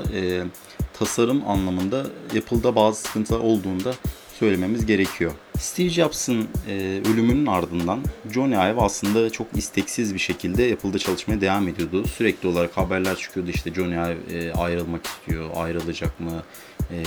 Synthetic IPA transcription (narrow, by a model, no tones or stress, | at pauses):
ɛː | t̪ʰasaɾuma̰nlˠamɯnd̪aepʰɯlˠd̪abaːzɯsɯ̥kʰɯnt̪ʰlˠaɾo̞lˠd̪uːnd̪a | sø̞jlʲe̞me̞mizɟe̞ɾe̞cʰijo̞st̪ʰid͡ʒjapsɯnːølʲymynynaɾd̪ɯnd̪and͡ʒo̞najɛvaslˠɯnd̪at͡ʃʰo̞kist̪ʰɛcsizbiɾʃe̞cʰilʲd̪ɛepʰɯlˠd̪at͡ʃʰalˠɯʃmajad̪e̞vaːmed̪ijo̞d̪usyɾɛclʲiolˠaɾakhabæɾlʲæɾt͡ʃʰɯ̥kʰɯjo̞d̪uiʃt̪ʰɛd͡ʒo̞najɛvːa̰jɾɯlˠmaki̥st̪ʰijo̞a̰jɾɯlˠad͡ʒakmɯ